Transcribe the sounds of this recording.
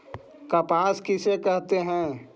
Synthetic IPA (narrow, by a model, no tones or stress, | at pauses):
kapãːskɪsekɛɦt̪eɦɛ̃ː